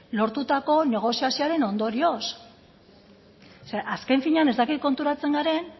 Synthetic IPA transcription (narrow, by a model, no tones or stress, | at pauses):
lo̞ɾt̪ut̪ako̞ne̞ɣ̞o̞siasioaɾe̞no̞nd̪o̞ɾio̞s | seʔaske̞ɱfiɲeane̞zd̪akit̪̚ko̞nt̪uɾat͡se̞ŋɡaɾe̞n